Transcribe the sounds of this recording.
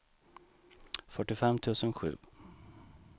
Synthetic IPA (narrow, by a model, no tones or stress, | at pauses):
fœʈːɪfɛmːt̪ʰʉ̟ːsənɧʉ̟̰ː